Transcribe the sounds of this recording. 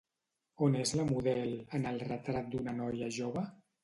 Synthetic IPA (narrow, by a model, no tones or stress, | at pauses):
onezləmuðɛlˠənəlˠrət̪ɾat̪̚d̪unənɔjəʒoβ̞ə